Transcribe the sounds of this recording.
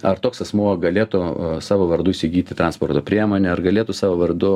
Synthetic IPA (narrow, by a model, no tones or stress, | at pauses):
ɐrt̪oːksɐsmuɔɡɐlʲeːt̪ʊsɑːʋoːʋɐɾd̪ʊɪʃʲsʲɪɡʲiːt̪ʲɪt̪ɾɐnspoːɾt̪oːpʲɾʲiɛmoːnʲɛɐrɡɐlʲeːt̪ʊsɑːʋoːʋɐrd̪ʊ